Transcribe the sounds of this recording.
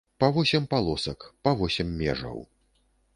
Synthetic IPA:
pɐvɔsʲɛmpalˠɔsɐkpɐvɔsʲɛmːʲɛ̰ʐɐ̰w

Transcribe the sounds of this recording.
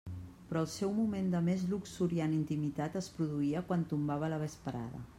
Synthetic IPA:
pɾɔəlˠsɛwmumend̪əmezluksuɾianint̪imit̪at̪əspɾuðuiəkwant̪umbaβ̞ələβəspəɾa̰ðə̰

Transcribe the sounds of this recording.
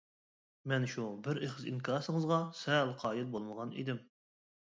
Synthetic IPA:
mɛnʃubɪɾeχəzinkʰɑːɾsɨŋəzʁɑsɛlˠqʰɑːjilˠbolˠməʁɑnḭd̪ɪm

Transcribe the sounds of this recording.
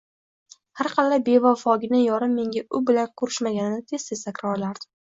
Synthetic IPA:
haɾqʰɑlːabe̞vɒfɒɡʲɪnɪjɒɾɪmːe̞ŋɡʲaʔʊbɪlankʰʊɾɪʃmaɡʲanɪnɪt̪ʰe̞st̪ʰesakʲʰɾɒlaɾd̪̥ɪ

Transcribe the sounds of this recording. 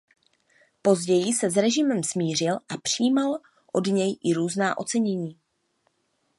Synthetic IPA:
po̞zɟɛjɪsɛzɾɛʒɪmɛmsmiːr̝ɪlʔapr̝̥ijiːmal | ʔo̞dɲɛjʔɪɾuːznaːʔo̞t͡sɛɲɛɲiː

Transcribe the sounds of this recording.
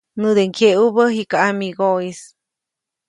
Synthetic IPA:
nɨd̪eŋkʰeʔubəɦikaamiɡois

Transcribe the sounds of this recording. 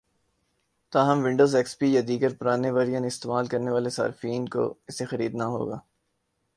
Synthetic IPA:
t̪aːɦɐmʋɪ̃ɳɖoːzɛːkspijad̪iːɡəɾpʊɾaːneʋəɾijənɪst̪eːmaːlkɐɾneʋaːlesa̰ːɾfiːnko̰ɪsexɐɾḭːd̪naɦo̰ːɡa̰ː

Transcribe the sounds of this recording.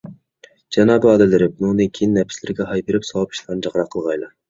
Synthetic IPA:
d͡ʒɑnɑbuɑːd̪ɛlɪɾɪp̚nunɨkʲʰijnːɛpʰɪ̥slɪɾɡʲɛɦɑjpeɾɪpsɑwɑpʰi̥ʃlˠɑnd͡ʒɑʁɾɑqʰːəlˠʁɑjlˠɑ

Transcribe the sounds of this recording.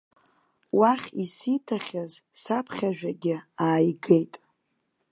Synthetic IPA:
waχʲisitʰaχʲazsapʰχʲaʒᶣaɡʲɪaːjɡe̞jtʼ

